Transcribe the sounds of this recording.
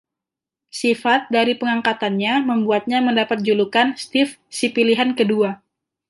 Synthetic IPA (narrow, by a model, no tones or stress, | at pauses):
sifat̪̚daɾipəŋaŋkat̪anɲaməmbuat̪̚ɲaməndapat̪̚d͡ʒulukanst̪ɪf | sipiliɦankədua